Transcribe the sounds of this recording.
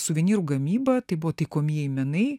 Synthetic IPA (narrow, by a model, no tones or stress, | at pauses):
sʊʋʲɛnʲiːɾuɡɐmʲiːbɐt̪ɐɪbʊʋoːt̪ɐɪkoːmʲiɛɪmʲɛnɐɪ